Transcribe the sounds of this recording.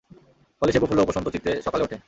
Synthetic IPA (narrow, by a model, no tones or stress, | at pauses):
fɔleʃeboulːoopoʃɔnt̪ot̪it̪ːɾeʃɔkaleoʈʰe